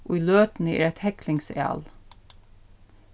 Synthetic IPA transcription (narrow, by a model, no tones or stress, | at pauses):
ʔoːiːløːt̪n̩əḛːɾɛt̪hɛklɪŋsɛ̰ɑ̰ːl